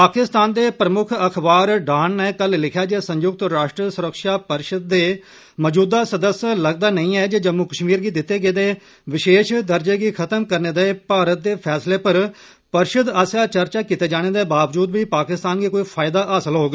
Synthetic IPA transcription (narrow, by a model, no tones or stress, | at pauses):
paːkɪst̪aːnd̪eːpɾəmʊkʰəkʰbaːɾɖaːnːɛːkəllɪkʰjaːd͡ʒeːsə̃ɲjʊɡ̚t̪ɾaːʃʈɾəsʊɾəkʃaːpəɾʃəd̪̚ːeː | məd͡ʒuːd̪aːsəd̪əsləɡ̚d̪aːnəĩːɛːd͡ʒeːd͡ʒəmukəʃmiːɾɡiːd̪ɪt̪ːeːɡeːd̪eː | ʋɪʃeːʃd̪əɾd͡ʒeːɡiːkʰət̪əmkəɾneːd̪eːpaːɾət̪̚d̪eːpʰɛːsleːpəɾ | pəɾʃəd̪aːsjaːt͡ʃəɾt͡ʃaːkiːt̪eːd͡ʒaːɽ̃eːd̪eːbaːʋd͡ʒuːd̪ʋiːpaːkɪst̪aːnɡiːkoːiːpʰaːɪd̪aːʔəːsəlɦoːɡ